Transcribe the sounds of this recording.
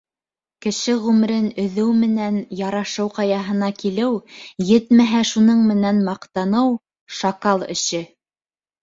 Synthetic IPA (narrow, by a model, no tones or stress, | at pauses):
kɘ̆ʃɘʁʉmɘ̆ɾɘnɵ̆ðɘwmɘ̆nænjɑɾɑʃɤwqɑjɑɦɤ̆nɑkilɘwjɘt̪mæɦæʃunɤɴmɘ̆nænmɑqt̪ɑnɤw | ʃɑkɑlˠɘ̰̆ʃɘ